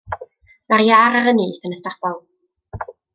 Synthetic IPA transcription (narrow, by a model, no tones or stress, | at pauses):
marjaɾaɾəniːθənəθtapɔlˠ